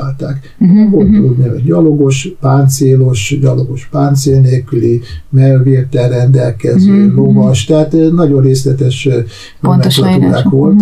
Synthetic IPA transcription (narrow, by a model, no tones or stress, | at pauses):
aːlt̪aːk | ɦott̪ud̪nio̰ɟɟɒloɡo̞ʃpaːnt̪seːloʃɟɒloɡo̞ʃpaːnt̪seːlneːlkylimɛlveːrt̪ɛlrɛnd̪ɛlkɛzøːlovɒʃt̪ɛɦaːt̪nɒɟo̞nreːslɛt̪ɛʃ | onmɛolɒt̪uɾa̰ːkʋo̞lt̪